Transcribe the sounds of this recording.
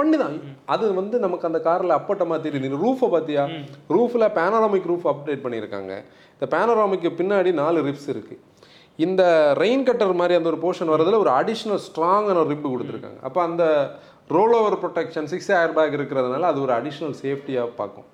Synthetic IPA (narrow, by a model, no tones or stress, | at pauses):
pɐɳːiðãːɐðɯʋɐnd̪ɯnɐmɐkːɐnd̪ɐkaːɾɐlɐɐpːɐʈːɐmaːt̪ɛɾɪjɐnɾuːfɐpaːt̪ijaːɾuːfɪlaːpaːnɐɾaːmɪkːɾuːfɐp̚ɖeːʈ̚pɐɳːɪɪɾɯkːa̰ːŋɡɐ̰ | ɪnd̪ɐpaːnoɾaːmɪkːɯpɪnːaːɽinaːlɯɾɪpsɪɾɯkːɯ | ɪnd̪ɐɾɐɪnkɐʈːɐɾmaːd̪ɾiɐnd̪ɐɔɾɯpoːʂɐnʋɐɾɐðɯlɐɔɾɯɐɽɪʂɐnɐlsʈɾaːŋɡɐnɐɾɪbːɯkɔɽɯt̪ːɯɾɯkːa̰ːŋɡɐ̰ʔɐpːoːɐnd̪ɐ | ɾoːloːʋɐɾpɾɔʈɛkʂɐnsɪksaːjɐɾbaːɣɪɾɯkːɪɾɐðɯnaːlɐːðɯɔɾɯɐɽɪʂɐnɐlseːfʈijaːpa̰ːɾkʊ̰̃